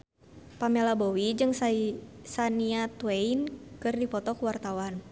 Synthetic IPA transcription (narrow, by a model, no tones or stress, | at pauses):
pamɛlabowid͡ʒɨŋssaniat̪wɛinkɨrdipɔt̪ɔkuwart̪awan